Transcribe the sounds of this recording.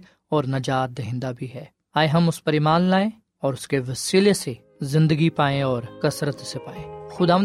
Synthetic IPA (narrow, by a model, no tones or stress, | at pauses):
ɔːɾnɐd͡ʒaːt̪̚d̪eɦɪ̃nd̪abʱiɦɛː | aːeɦɐmʊspɐɾimaːnlaːẽ | ɔːɾʊskeʋɐsiljəse | zɪ̃nd̪əɡipaːẽɔːɾkɐsɾət̪sepaːẽːxʊd̪aːʋə